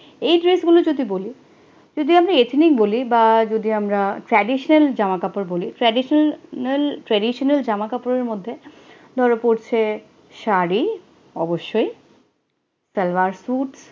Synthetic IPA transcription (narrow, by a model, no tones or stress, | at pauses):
ejɖɾesɡulod͡ʑod̪iboli | d͡ʑod̪iamɾaet̪ʰnik̚bolibad͡ʑod̪iamɾaʈɾɛɖiʃoneld͡ʑamakapoɾboliʈɾɛɖiʃelʈɾɛɖiʃoneld͡ʑamakapoɾeɾmod̪ʱːed̪ʱɔɾopoɾt͡ɕʰe | ʃaɾi | ɔ̰boʃːoj | sɛlvaɾsuʈs